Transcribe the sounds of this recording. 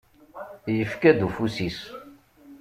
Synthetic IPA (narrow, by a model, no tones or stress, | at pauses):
jəfkæd̪ufusis